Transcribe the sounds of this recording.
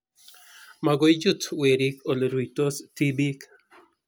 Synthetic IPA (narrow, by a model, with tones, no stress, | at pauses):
ma˨ɡojd͡ʒu˦twe˨ɾi˦ko˨lɾu˨to˦sti˦bi˦k